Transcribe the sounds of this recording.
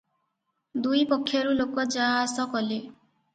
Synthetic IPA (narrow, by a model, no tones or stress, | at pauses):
d̪ujpɔkʰːjɔɾulokɔd͡ʒaːsɔkɔle